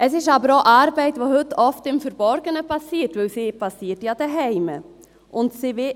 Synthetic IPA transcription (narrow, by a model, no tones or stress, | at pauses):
ʔəsɪʃɑbəɾoʔɑːɾbɛɪtʋohɵtɔftɪmfəɾbɔɾɡənəpɑsiːəɾtʋɪwsipʰɑsiːətjɑd̥əɦɛɪmə | ʔʊntsivɪ